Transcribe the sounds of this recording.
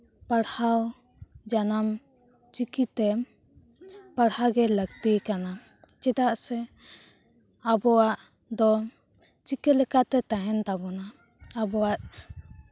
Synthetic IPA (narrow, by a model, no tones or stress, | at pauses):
paɽhaw | d͡ʒanam | t͡ʃikit̪ɛ | paɽhaɡɛləɡt̪ikana | t͡ʃɛd̪aʔsɛ | abɔwaʔ | d̪ɔ | t͡ʃikɛlɛkat̪ɛt̪aɦɛnt̪abɔnaː | bɔwaʔ